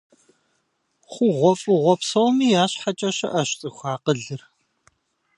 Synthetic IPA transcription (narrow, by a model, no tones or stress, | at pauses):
χʷuʁʷɔfʼɨʁʷɔpsɐwmiːjaːɕħat͡ʃʼɐɕɐ̰ʔɐɕt͡sʼɨxʷaːqəɮɨr